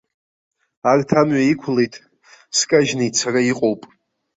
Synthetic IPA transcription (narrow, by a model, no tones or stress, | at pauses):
artʰamɥaikʷʰlejtʼ | skʼaʒnejt͡sʰaraiqʼowpʼ